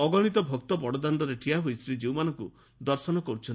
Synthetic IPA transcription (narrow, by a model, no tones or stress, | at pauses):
ɔɡɔɽ̃it̪ɔbʱɔk̚t̪ɔpɔɽɔd̪and̪ɔɾeʈʰiaɦujsɾid͡ʒiwmanɔŋku | d̪ɔɾsɔnɔkɔɾut͡ʃʰɔ